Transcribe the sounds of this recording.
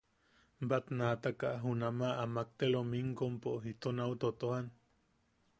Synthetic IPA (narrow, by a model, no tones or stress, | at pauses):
bat̪nat̪akaɦunamaamak̚t̪elomiŋkompoit̪onawt̪ot̪ohan